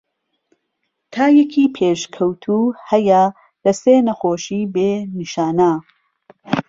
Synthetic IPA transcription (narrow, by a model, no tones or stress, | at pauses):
t̪ʰaːjɛkʰiːpʰeːʃkʰɐwt̪ʰuhɐjɐ | lɐseːnɐxoːʃiːbeːniʃaːna